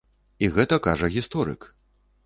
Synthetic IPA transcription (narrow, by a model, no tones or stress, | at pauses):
iɣɛt̪ɐkaʐɐɣʲist̪ɔɾɨ̰k